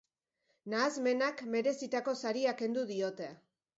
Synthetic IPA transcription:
naːzme̞nakme̞ɾe̞sit̪ako̞saɾiake̞nd̪uðio̞t̪e̞

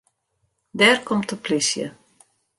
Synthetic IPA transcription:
dɛrkʰɔmtəplisjə̰

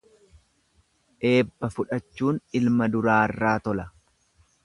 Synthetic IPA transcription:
ʔe̞ːbːɐfʊᶑɐt͡ʃːuːnɪlmɐd̪ʊɾaːrːaːt̪ɔlɐ

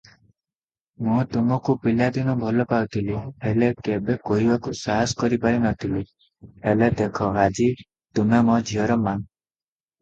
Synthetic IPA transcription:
mũt̪umɔkupilad̪inɔbʱɔlɔpawt̪ʰilielekebekoɦibakusaɦasɔ̥kɔɾipaɾinɔt̪ʰili | eled̪ekʰɔad͡ʒi | t̪umemɔd͡ʒʱiɔɾɔmaŋ

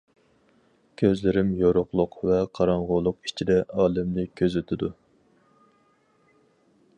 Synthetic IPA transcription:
kʲʰøzlɪɾɪmjoɾʊχlˠʊqvɛqʰɑɾɑɴʁʊlˠːʊqi̥t͡ʃʰid̪ɛɑːlɪmnɪkʲʰøzøt̪ʰɪd̪u

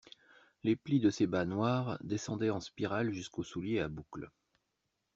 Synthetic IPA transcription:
leplid̪əsebanwaʁd̪esɑ̃d̪ɛɑ̃spiʁalʒyskosuljeabukl

